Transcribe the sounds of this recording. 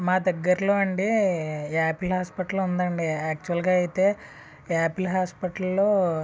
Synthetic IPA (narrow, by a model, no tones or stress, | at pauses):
maːd̪ɐɡːɐɾɐlo̞ːɐɳɖi | aːpilɦaːspɐʈɐlund̪ɐɳɖiaːk̚t͡ʃuʋɐlɡaːɐjit̪e̞ː | aːpilɦaːspɐʈɐlːoː